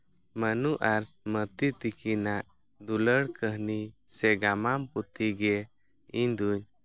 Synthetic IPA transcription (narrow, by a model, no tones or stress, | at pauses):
mənuʔaɾ | mət̪it̪ikʰinaʔ | d̪uləɽkʰəɦnisɛɡamamput̪ʰiɡɛ | iɲd̪uɲ